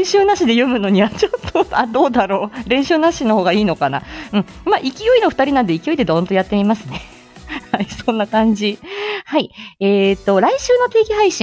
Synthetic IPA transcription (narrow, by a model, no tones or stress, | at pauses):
ɕɨːnaɕid̪e̞jomɯ̟no̞ɲ̟iβat͡ɕo̞t̪ʰːoad̪o̞ːd̪aɾo̞ːɾẽ̞ɰ̃ɕɨːnaɕino̞ho̞ːɡaiːno̞kana̰ɯ̟̃ɴmaːʔikʲijo̞ino̞ɸɯ̟̥aɾʲinãnd̪e̞ikʲijo̞id̪e̞d̪ont̪o̞jat̪ːe̞mʲimasɨne̞ | haisõ̞nːakãɲ̟d͡ʑihaieːt̪ːo̞ɾaiɕɨːno̞t̪e̞ːɡʲiɦaiɕĩ